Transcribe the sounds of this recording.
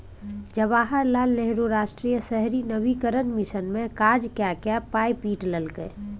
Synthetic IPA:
d͡ʒəbaːɦəɾlaːlneɦɾuɾaːʃʈɾiːjəsɛɦɾinəʋikəɾə̃nmɪʃənmẽkaːɾd͡ʒkjaːkjapaːjpiːʈləlkḛː

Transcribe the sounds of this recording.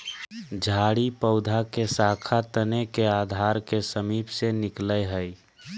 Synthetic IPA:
d͡ʒʱaɽipəʊd̪ʱakesakʰat̪ənekead̪ʱaɾkesəmipsenikləjɦəj

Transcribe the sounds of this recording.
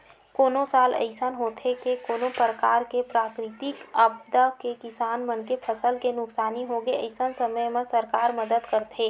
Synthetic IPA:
koːnosaːlə̰ɪsənɦoːt̪ʰekekoːnopɾəkaːɾkepɾaːkɾɪt̪ɪkəb̚d̪əkekɪsaːnmənkepʰəsəlkenʊksaːniɦoɡeə̰ɪsənsəməjmẽsəɾkaːɾməd̪əd̪kəɾt̪ʰeː

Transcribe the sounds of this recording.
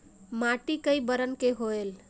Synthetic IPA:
maʈikəjbəɾənkeɦoel

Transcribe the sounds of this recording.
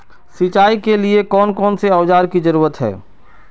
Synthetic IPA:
sit͡ʃaːikeliekɔːnkɔːnseɐʋd͡ʒaːɾkid͡ʒəɾuːɾət̪ɦɛ̰ː

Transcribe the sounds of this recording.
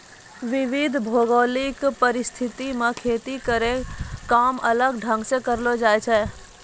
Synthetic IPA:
ʋɪʋɪd̪ʱbʱoːɡoːlɪkpəɾɪst̪ʰɪt̪imãkʰeːt̪ikəɾekaːmələɡɖʱə̃ŋɡsẽkəɾlod͡ʒaːet͡ʃʰɛː

